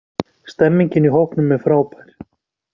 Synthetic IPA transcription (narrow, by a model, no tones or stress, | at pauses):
st̪ɛmːiɲcɪniɦowhknʏmːɛðfɾaːwpajɾ̥